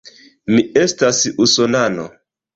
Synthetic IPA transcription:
miestasusonano̰

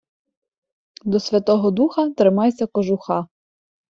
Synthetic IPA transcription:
d̪ɔsʲʋʲɐt̪ɔɦɔd̪uxɐt̪ɾɪmɑjsʲɐkɔʒʊxɑ

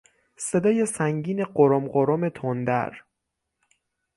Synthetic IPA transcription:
se̞d̪ɒːje̞sæŋɟiːne̞ɢoɾomɢoɾome̞t̪ʰond̪æ̰ɾ

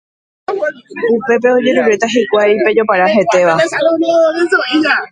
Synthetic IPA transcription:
upe̞p̬e̞od͡ʒe̞ɾuɾɾe̞t̪aɦikʷajpe̞d͡ʒo̞paɾaɦe̞t̪e̞ʋaoisoia

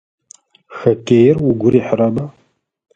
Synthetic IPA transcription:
xɐkʲʼejɪrwʊɡʷʊɾiːħrɐbɐ

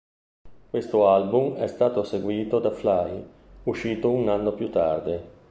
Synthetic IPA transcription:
kwest̪oalbumɛst̪aːt̪oseɡwiːt̪od̪aflaj | uʃiːt̪ounanːopjut̪ːa̰rd̪e

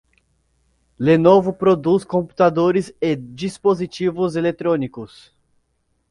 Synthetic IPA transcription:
lenovʊpɾod̪uskõmpu̥t̪ad̪oɾɪzed͡ʒispozit͡ʃivʊzelet̪ɾõnikʊs

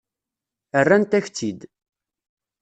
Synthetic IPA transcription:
ərːænt̪æçt͡sːid̪

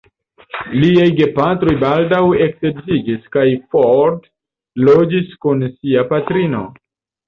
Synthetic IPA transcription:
liajɡe̞patɾo̞jbaldawe̞ksebd͡ʒiɡiskajfoɾd | lo̞d͡ʒiskunsiapatɾino̞̰

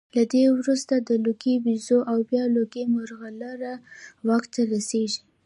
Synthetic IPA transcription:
lad̪ewɾust̪ad̪əloɡewizoʔawbjɑloɡemʊɾɣalaɾawɑkt̪aɾaseʒi

